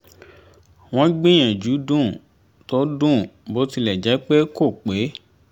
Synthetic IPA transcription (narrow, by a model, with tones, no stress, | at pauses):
w̃ɔ̃˦ɡ͡bĩ˦j̃ɛ̃˨d͡ʒu˨˦dũ˦˨ | tɔ˨˦dũ˦˨bo˨˦ti˧lɛ˨d͡ʒɛ˨˦k͡pe˦ko˦˨k͡pe˨˦